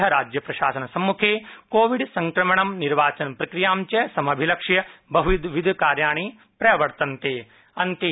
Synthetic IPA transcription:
ɦɐɾaːd͡ʒjɐpɾɐʃaːsɐnɐsɐmːukʰeːkoːʋiɖsɐŋkɾɐmɐɳɐmniɾʋaːt͡ʃɐnpɾɐkɾijaːmt͡ʃɐsɐmɐbʱilɐkʂjɐbɐɦuʋid̪ʋid̪ʱkaːɾjaːɳi | pɾɐjɐʋɐɾt̪ɐnt̪eː | ɐnt̪i

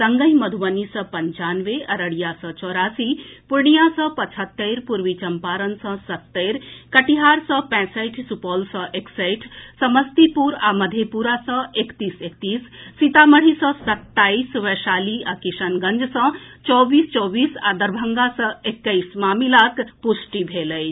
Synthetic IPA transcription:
sɐŋɡəɦimɐd̪ʱuʋɐnisəpɐɲt͡ʃaːnʋeʔɐɾəɽijasət͡ʃɔːɾaːsipuɾɳijasə̃pɐt͡ʃʰət̪ːejɾpuɾʋit͡ʃɐmpaːɾənsə̃sɐt̪ːeɾkɐʈiɦaːɾsə̃pɛ̃ːsəjʈʰsupɔːlsə̃ʔeksəjʈʰsəməst̪ipuɾaməd̪ʱjepuɾasə̃ekt̪iːsek̚t̪iːsːit̪aməɽ̤isə̃sət̪ːaːisʋeʃaːliakisənɡənd͡ʒsə̃t͡ʃɔːbiːst͡ʃɔːbiːsad̪əɾbʱəŋɡasə̃ekːəismaːmilakpusʈibʱeləj

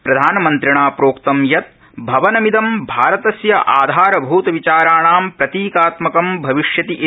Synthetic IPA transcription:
pɾɐd̪ʱaːnɐmɐnt̪ɾiɳaːpɾoːkt̪ɐmjɐt̪̚ | bʱɐʋɐnɐmid̪ɐmbʱaːɾɐt̪ɐsjɐʔaːd̪ʱaːɾɐbʱuːt̪ɐʋit͡ʃaːɾaːɳaːmpɾɐt̪iːkaːt̪mɐkɐmbʱɐʋiʃjɐt̪iʔ

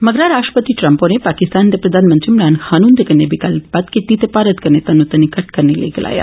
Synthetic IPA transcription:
məɡɾaɾaʂʈəpət̪iʈɾəmponepakist̪ant̪epɾəd̪ʱanmənt̪ɾimɾanhanund̪ekənːebikalpat̪kit̪it̪epaɾət̪kəɾnet̪anːut̪ənikɐʈ̚kəɾnelḛɡla̰ːja̰

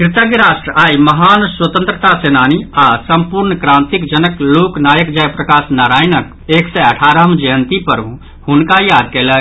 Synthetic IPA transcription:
kɾɪt̪əɡɾaːʃʈɾəʔaːiməɦaːnswət̪ə̃nt̪ɾət̪aseːnaːniasəmpuɾnəkɾãːnt̪ikd͡ʒənəkloːknaːjəkd͡ʒəjpɾəkaːsnaɾaːjnək̚ | eːksɛəʈʰaːɾəɦəmd͡ʒəjənt̪ipəɾũ | hunkajaːd̪̚keːlə

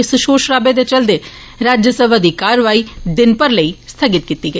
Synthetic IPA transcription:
sʊʃoːʃɾaːbed̪et͡ʃəld̪eː | ɾaːd͡ʒjəsəbʱad̪iːkaːɾʋaːiːd̪ɪnpəɾləiːst̪ʰəɡɪt̪̚kiːt̪iːɡəi

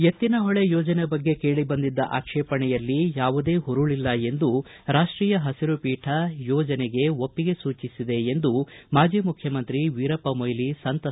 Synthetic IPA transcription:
et̪ːinɐɦɔɭejɔːd͡ʒɐnebɐɡːe̞ke̞ːɭibɐnd̪id̪ːɐʔa̰ːkʂɛːpɐɳɛjɐlːijaːʋud̪e̞ːɦuɾuɭilːɐe̞nd̪u | ɾaːʂʈɾiːjɐɦɐsiɾupiːʈʰɐjɔːd͡ʒɐneɡe̞o̞pːiɡe̞suːt͡ʃisid̪eend̪umaːd͡ʒiːmukʰjɐmɐnt̪ɾiʋiːɾɐpɐmojlisɐnt̪ɐ

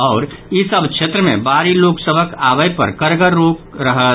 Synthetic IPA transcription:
ɔːɾ | isəbʱkʃʰeːt̪ɾəmḛ̃baːɾiloːksəbʱəkaːʋəjpə̰ɾkəɾɡəɾːoːk̚ɾəɦə

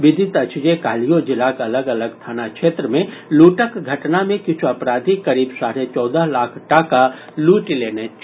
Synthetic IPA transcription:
ʋɪd̪ʱɪt̪ɐt͡ʃd͡ʒekaːlijod͡ʒɪlakɐləɡɐləɡt̪ʰaːnakʃeːt̪ɾəmẽluːʈəkɡʱɐʈnamẽkɪt͡ʃʰuɐpɾaːd̪ʱikɐɾiːbsaːɾet͡ʃɔːd̪əɦlaːkʰʈaːka | luːʈileːnet͡ʃ

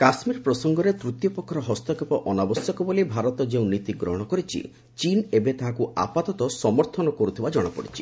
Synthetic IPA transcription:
kasmiɾpɾɔsɔŋɡɔɾet̪ɾut̪jɔpɔkʰːɔɾɔɦɔst̪ɔkepɔʔɔnabɔsjɔkɔbolibʱaɾɔt̪ɔd͡ʒeũnit̪iɡɾɔ̰ɦɔɽ̃ɔkɔɾit͡ʃʰḭ | t͡ʃinebet̪aɦakua̰pat̪ɔt̪ɔsɔmɔɾt̪ʰɔnɔkɔɾut̪ʰibad͡ʒɔɽ̃ɔpɔ̰ɽit͡ʃʰi̥

